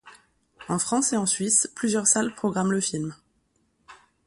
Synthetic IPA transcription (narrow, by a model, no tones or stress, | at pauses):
ɑ̃fχɑ̃seɑ̃sɥisplyzjœʁsalpχɔɡʁamləfilm